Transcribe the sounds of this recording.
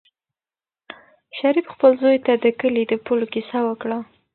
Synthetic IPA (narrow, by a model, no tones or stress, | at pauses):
ʃaɾifxpəlzojt̪ad̪əkəlid̪əpulokisawəkɽa